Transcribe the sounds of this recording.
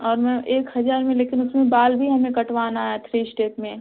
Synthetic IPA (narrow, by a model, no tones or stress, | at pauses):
ɔːɾmɛ̃ʔeːkɦɐzaːɾmẽleːkɪnʊsmẽbaːlbʱiɦɐmẽkɐʈʋaːnaːɦɛt̪ʰɾiːsʈeːpmẽː